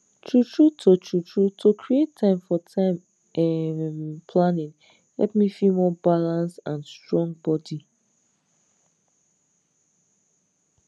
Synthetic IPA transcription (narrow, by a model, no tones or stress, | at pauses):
tʰɹutʰɹutʰotʰɹutʰɹutʰokʰɹietʰːãɪ̃mfɔtʰãɪ̃m | ɛmpʰlãnĩn | hɛ̰lp̚mifimɔbalãnsãnstɹɔ̃ŋbɔdi